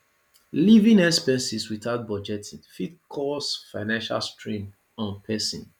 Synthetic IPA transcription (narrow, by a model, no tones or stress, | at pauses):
livĩnɛspɛ̃nsiswiθaʊt̚bɔd͡ʒɛtʰĩnfitkʰɔsfaɪnãnʃa̰lstʰɹĩn | ɔ̃npʰɛsḭ̃n